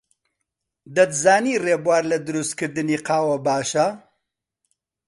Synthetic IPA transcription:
d̪ɐt̪zaːniːreːbwaːɾlɐd̪ɨɾust̪kɨɾd̪ɨniːqɑːwɐbaːʃɐ

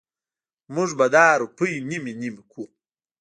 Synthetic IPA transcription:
muʐbɐd̪aːɾupujniminimikʰu

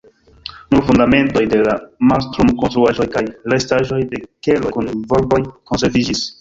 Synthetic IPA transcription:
nuɾfundame̞nto̞jde̞lamalstɾumkonstɾuaʒo̞jkajɾestaʒo̞jde̞ke̞lokunvo̞lbo̞jko̞nse̞ɾvid͡ʒis

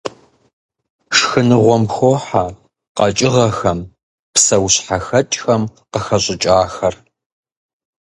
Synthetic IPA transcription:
ʂxɨnɨʁʷɔmxoħa | qɐt͡ʃʼɪʁɐxɐm | psɐwɕħaxɐt͡ʃʼxɐmqəxɐɕʼɪt͡ʃʼaːxɐr

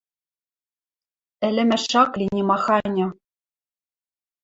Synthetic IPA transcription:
ɘ̆lʲɘ̆mæʃɑklʲinʲimɑxɑnʲɤ̆

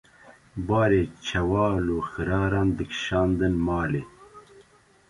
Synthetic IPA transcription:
bɑːɾeːt͡ʃʰɐwɑːloxɨɾɑːɾɑːnd̪ɨkʃɑːnd̪ɨnmɑːleː

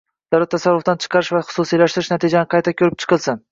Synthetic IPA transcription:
d̪̥awlat̪ʰːasaɾːʊft̪ant͡ʃʰɨ̥qʰɑɾɪʃvaχʊ̥susijlaʃt̪ɪɾɪʃnat̪ʰid͡ʒanɪqʰɑjt̪ʰakʲʰɵɾɪp̚t͡ʃʰɨ̥qʰɨlˠsɪn

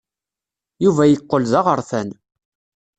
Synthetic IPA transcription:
juvæjəqːəlzɑʁəɾˤθæn

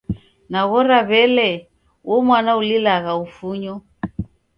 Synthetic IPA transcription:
naɣɔɾaβɛlɛ | wɔmwanaulilaɣaufuɲɔ

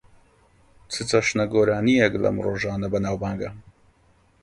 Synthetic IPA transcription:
t͡sʰɨt͡sɐʃnɐɡoːɾaːnijɛklɐ̰mroːʒaːnɐbɐnaːwbaːŋɡɐ

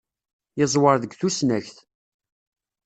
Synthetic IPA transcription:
jɪzˤwəɾðəɡθusnæçθ

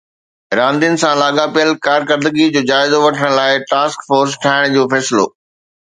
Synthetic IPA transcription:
ɾãːnd̪ijənɪ̆sãlaːɠapijəlkaːɾkəɾd̪əɡid͡ʑoːd͡ʑaːɪzoʋɐʈʰəɽ̃laːɪʈaːskfoːɾsʈʰaːɪɽ̃d͡ʑoːfɛːsɪlo̰ː

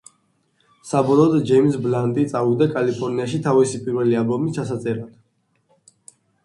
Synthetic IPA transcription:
sabɔlˠɔːd̪d͡ʒɛjmsbland̪ʼit̪sʼavud̪akʼalipʰɔɾniaʃit̪ʰavisipʼiɾvɛlialˠbɔmit͡ʃʰasat̪sʼɛɾat̪

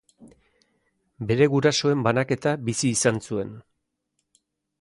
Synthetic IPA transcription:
be̞ɾe̞ɣuɾaso̞e̞mbanake̞t̪abisiːsansue̞n

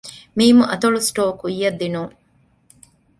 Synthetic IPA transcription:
miːmuʔɐt̪ɐɭusʈoːkuijːɐd̪ːinuŋ

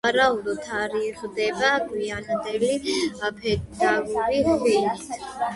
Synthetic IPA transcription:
aɾaud̪ɔt̪ʰaɾiχd̪ɛbaɡwiand̪ɛliapʰɛd̪aɡuɾiχwɛnit̪ʰ

